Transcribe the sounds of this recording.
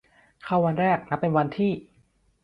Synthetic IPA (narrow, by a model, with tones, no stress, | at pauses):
kʰa˥˩wa˧nɾɛː˥˩k̚na˦˥pːe˧nwa˧nt̪ʰiː˥˩